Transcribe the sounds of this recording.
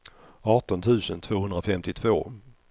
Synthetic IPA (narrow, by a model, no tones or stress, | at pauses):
ɑːʈɔnt̪ʰʉ̟ːsənt̪ʰvoːhɵnd̪ɾafɛmt̪ɪt̪ʰvo̰ː